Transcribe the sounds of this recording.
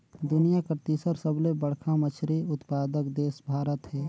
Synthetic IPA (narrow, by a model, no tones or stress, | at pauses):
d̪ʊnijakəɾt̪iːsəɾsəblebəɽ̤kʰamət͡ʃʰɾiʊt̪paːd̪əkd̪eːsbʱaːɾət̪ɦɛː